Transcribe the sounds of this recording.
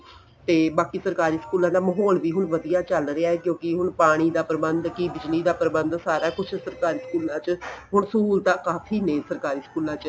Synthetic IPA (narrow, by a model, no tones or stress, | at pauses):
t̪eːbaːkiːsəɾkaːɾiːskuːlãːd̪aːməɦɔːlʋiːɦʊɳʋəd̪ijaːt͡ʃəlɾeaːɦɛːkjõːkɪɦʊɳpaːɽ̃iːd̪aːpɾəbənd̪kibɪd͡ʒliːd̪aːpɾəbənd̪saːɾaːkʊt͡ʃʰsəɾkaːɾiːskuːlãːt͡ʃɦʊɳskuːlt̪ãːkaːfʰiːnẽːsəɾkaːɾiːskuːlãːt͡ʃ